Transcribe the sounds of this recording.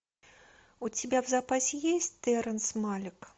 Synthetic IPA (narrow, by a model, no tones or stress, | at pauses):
ut͡sʲibʲawzapasʲɪjesʲt͡sʲt̪ɛɾɐnsmalʲɪk